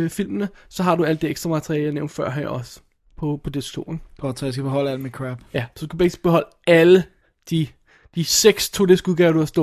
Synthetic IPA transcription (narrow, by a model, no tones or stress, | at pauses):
fil̰mnəsɒ̽ɦɑ̈ɾuæl̰d̥eeɡ̥sd̥ʁɐmæt͡sʰɐʁiɛləjɑneʊ̰nd̥fɶɐ̰ɦæɐɐ̰ɒ̽s | pʰɒ̽pʰɒ̽d̥esɡ̥t͡sʰo̰ːeŋɡ̥ʰɒd̥sjɑsɡ̥æb̥eɦɒ̽l̰əæl̰mekʰʁæb̥jæsɒ̥̽ukæu̥feɡ̥i̥sɡ̥̚b̥eɦɒ̽l̰əælə | d̥i | d̥iseɡ̥st͡sʰo̝̰ːd̥esɡ̥uɡ̥ɛːʊɐɾ̥uhɐsd̥ɔ̰